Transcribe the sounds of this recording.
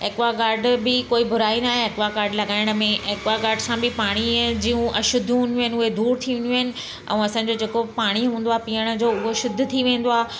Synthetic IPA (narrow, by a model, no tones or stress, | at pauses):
ekʋakaːɾɖbɪkoːibʱʊɾaːinaːɦeekʋakaːɾɖlɐɡaːɪɽ̃ə̆mẽʔeːkʋakaːɾɖsãbʱɪpaːɽ̃id͡ʑiːũʔɐʃʊd̪ʱːɦũːnd̪joːɦɪ̃nɪʊed̪uːɾt̪ʰiʋɪ̃nd̪joːɦɪnɪ̆ | ʔɛ̰̃ːɐsãːɲ̆d͡ʑod͡ʑeːkopaːɽ̃iɦũːnd̪oaːɦpiːəɽ̃ə̆d͡ʑoːʊɦoʃʊd̪ʱʊt̪ʰiʋẽːn̆d̪oaː